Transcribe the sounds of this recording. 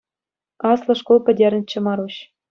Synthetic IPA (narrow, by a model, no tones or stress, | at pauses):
ɑslˠɤ̆ʂkolˠpʲɘ̆dʲerʲɘnʲt͡ɕːɘ̆mɑɾuɕ